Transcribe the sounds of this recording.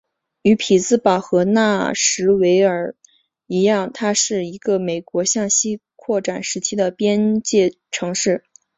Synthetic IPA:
y˧˥pʰi˨˩t͡sɹ̩˥˩pɑ˨˩ʊxɤ˧˥na˥˩ʂɻ̩˧˥we˧˥ɪə˞˨˩ | i˧˥jɑ˥˩ŋt̪ʰa˥ʂɻ̩˥˩i˧˥ɡə˧me˨˩ɪkwɔ˧˥ɕjɑ˥˩ŋɕi˥kʰwɔ˥˩ʈ͡ʂa˨˩nʂɻ̩˧˥t͡ɕʰi˥d̪ə˨pjɛ˥nt͡ɕjɛ˥˩ | ʈ͡ʂʰɤ˧˥ŋʂɻ̩˥˩

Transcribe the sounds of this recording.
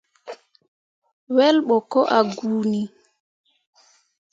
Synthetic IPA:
wɛ˦lɓɔ˨kɔ˦ʔa˨ɡuːni˦

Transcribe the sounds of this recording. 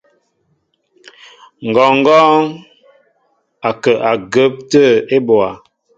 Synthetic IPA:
ŋ̩˨ɡɔ˨ŋ˦ɡɔː˦ŋ | a˨kə˨ʔa˨ɡə˦p̚tə˦e˦bwa˨

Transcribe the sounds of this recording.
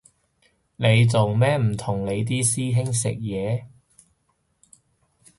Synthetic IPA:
ne˨˧jt͡so˨wmɛː˥m̩˨˩t̪ʰʊ˨˩ŋle˨˧jt̪̬iː˥siː˥ɦɪ˥ŋsɪ̰˨k̚jɛː˨˧

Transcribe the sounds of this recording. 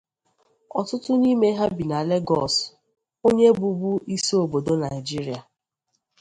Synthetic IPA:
ɔ˨tʊ˦tʊ˦ni˦me˦ɦa˦bi˨na˨le˦ɡɔ̰˨s | o˦ɲe˦bu˨bu˦ʔi˦so˨bo˨do˦na˨ɪ˨d͡ʒi˦ɾi˨˦a˨

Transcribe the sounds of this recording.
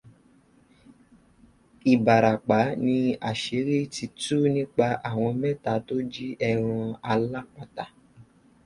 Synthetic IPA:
i˨ba˨ɾa˨k͡pa˨˦nĩ˧a˨ʃe˨˦ɾi˦ti˧tu˦nĩ˦k͡pa˧a˨w̃ɔ̃˧mɛ̃˦ta˨˦to˦d͡ʒi˦ɛ˧ɾ̃ũ˧a˧la˦k͡pa˨ta˨

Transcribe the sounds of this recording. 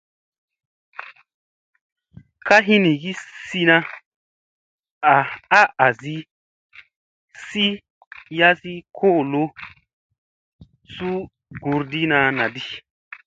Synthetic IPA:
ka˦ɦi˦nĩ˨ɡi˦si˧nã˧ | a˨a˦ʔa˨zi˦ | si˦ | ja˦si˦kʰo˦˨lo˦ | su˦ | ɡu˨˧ɾdi˦nã˧nã˨di˦

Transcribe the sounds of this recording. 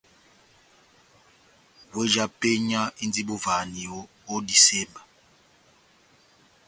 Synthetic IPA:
we˦d͡ʒa˦pe˦ɲa˦i˦nd͡zi˦bo˦va˨ni˨o˦ | o˦di˨sɛ˦mba˨

